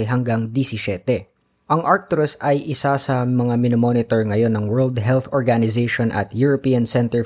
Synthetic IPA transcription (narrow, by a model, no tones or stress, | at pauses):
ɦɐŋɡaŋd̪isɪʃɛt̪ɛ | ʔɐŋʔat̪ɾʊsʔɐjʔɪsasɐmɐŋamɪnomonɪt̪oɹŋɐjo̞nːɐŋwɛɹld̪ɦɛlθoɹɡanɪzeʃonʔɐ̰t̪juɹopiːjɐnsɛnt̪ɛɹ